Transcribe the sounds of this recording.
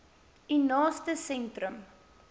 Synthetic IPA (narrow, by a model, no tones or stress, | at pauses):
inɑːstəsɛntrəm